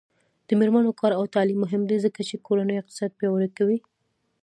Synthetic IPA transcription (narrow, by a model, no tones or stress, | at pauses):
d̪̥əmeɾmanokɑɾawt̪ɑlimːʊɦɪmd̪ezəkat͡ʃekoɾanəjɪqt̪ɪ̥sɑt̪̚pjɑwəɾakawi